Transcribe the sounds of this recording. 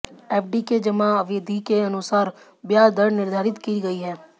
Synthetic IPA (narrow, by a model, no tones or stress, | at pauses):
eːp̚ʰɖiked͡ʒɐmaɐʋɪd̪ʱikeɐnʊsaːɾ | bjaːd̪əɾɽnɪɾd̪ʱaːɾɪt̪kiːɡɐiɦɛː